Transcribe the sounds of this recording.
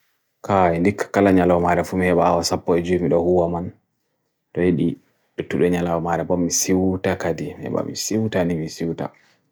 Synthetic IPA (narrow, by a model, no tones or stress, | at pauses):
kʰaɛndikːḁkalaɲalawɔmaɾɛfumihɛɓaːwasapːɔɛd͡ʒumiɗɔhuwaman | ɗɔjeɗi | ɗɔtːuɗɛɲalawɔmaɾɛbɔmːisiwtakadimhɛ̰ɓa̰mḭsiwtanimisiwta̰